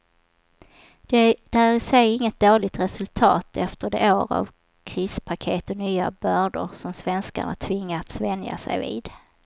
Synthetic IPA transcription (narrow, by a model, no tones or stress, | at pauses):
d̪̥d̪̥ɛæɾɪsɛjɪŋːət̪̚d̪oːlɪɡ̚t̪ɾɛsɵlt̪ʰɑːt̪ʰɛft̪əɖɛ̰ʔoːɾa̰v | kʰɾiːspʰakʰeːt̪ɔnyːabœːɖəɾsɔmsvɛnska̰ɳa̰t̪ʰvɪŋːaɾat̪svɛnja̰sɛ̰jvḭːd̪